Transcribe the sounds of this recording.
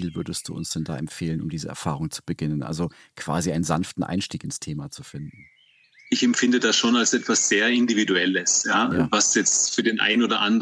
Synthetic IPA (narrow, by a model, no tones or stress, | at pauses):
iːlvʏɐdəst̚d̥ṵːʊ̰nsd̥ɛnda̰ːʔɛmfeːlənʊ̰mdiːzəɛ̰ɐfaːʁ̞ʊŋt͡su̥b̥əɡɪnənʔa̰lzo | kv̥a̰ːziʔaɪnənza̰nftn̩ʔa̰ɪnʃtiːkɪnstʰeːmat͡sufɪndn̩ | ʔɪçɛmfɪndədasʃoːnalsʔɛtv̥asz̥eːɐɪndividuɛləsjaːvasjɛt͡stfyːɐdeːnʔa̰ɪnoːdɐʔand